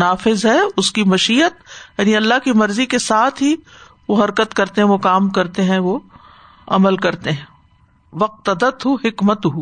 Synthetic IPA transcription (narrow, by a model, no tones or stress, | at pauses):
naːfɪzɦɛʊskimɐʃiːət̪̚jaːniɐlːaɦkimɐɾzikesaːt̪ʰɦi | ʋoɦɐɾkət̪kɐɾt̪eɦɛ̃ʋokaːmkɐɾt̪eɦɛ̃ʋo | ɐ̰məlkɐɾt̪eɦɛ̃ː | ʋɐq̚t̪ɐd̪ət̪ɦʊhɪkmət̪ɦu